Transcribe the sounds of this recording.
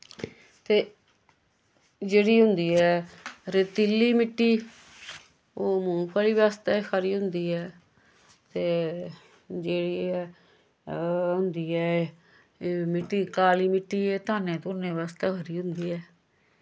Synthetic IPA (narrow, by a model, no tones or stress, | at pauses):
t̪eː | d͡ʒeːɽiːɦʊ̃nd̪iːɛːɾeːt̪ilːiːmɪʈːiː | oːmũːpʰaːliːʋaːst̪ɛːkʰəɾiːɦʊ̃nd̪iːɛː | t̪eː | d͡ʒeːɽiː | ɦʊ̃nd̪iːɛː | mɪʈːiːkaːliːmɪʈːiːeːt̪aːnẽːt̪ʊːnẽːʋaːst̪ɛːkʰəɾiːɦʊ̃nd̪iːɛː